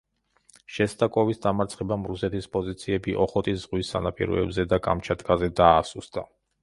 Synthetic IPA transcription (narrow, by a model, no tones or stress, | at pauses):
ʃɛst̪ʼakʼɔvisd̪amaɾt̪sʰχɛbamɾusɛt̪ʰispʼɔzit̪sʰiɛbiʔɔχɔt̪ʼisz̥ʁwisːa̰napʼḭɾɔ̰ɛ̰bzɛd̪akʼa̰mt͡ʃʰat̪kʼazɛd̪aːsusd̪̥a